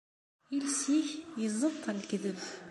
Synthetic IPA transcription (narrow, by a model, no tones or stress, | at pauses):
ilsiçjəzˤət̪ˤːælɡðəv